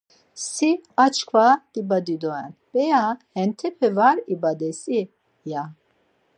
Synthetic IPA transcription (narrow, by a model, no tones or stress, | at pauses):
siat͡ʃʰkʰvad̪̥ibad̪id̪ɔɛnb̥ɛjahɛnt̪ʰɛpʰɛvaɾibad̪ɛsʼi | ja